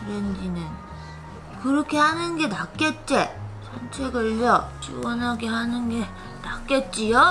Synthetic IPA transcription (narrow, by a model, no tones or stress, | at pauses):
kɯɾendinɯn | kɯɾʌkʰe̞hanɯnɡe̞nak͈et̚t͡ɕ͈et͡ɕʰʌnt͡ɕʰeɡɯɭʎːʌt͡ɕḭwʌnɦaɡeɦanɯnɡe̞ | nak͈et̚t͡ɕ͈ijo